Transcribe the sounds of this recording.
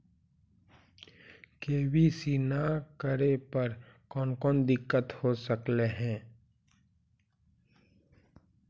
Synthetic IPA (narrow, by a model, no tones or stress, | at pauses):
keːbisiːnakəɾepəɾkɔːnkɔːnd̪ɪkːət̪hosəkleɦɛ̃ː